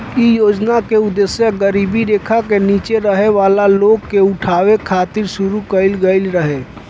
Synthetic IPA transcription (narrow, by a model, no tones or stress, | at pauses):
ijoːd͡ʒnakeʊd̪esjəɡəɾiːbiɾeːkʰakeniːt͡ʃeɾəɦeʋaːlaloːɡkeʊʈʰaːʋekʰaːt̪ɪɾʃʊɾukəɪlɡəɪlɾəɦeː